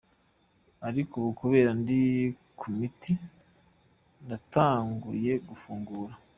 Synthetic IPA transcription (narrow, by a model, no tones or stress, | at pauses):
aɾikuβukuβe̞ːɾandi | kʰumiti | ndataːŋɡuje̞ɡufuːŋɡuːɾa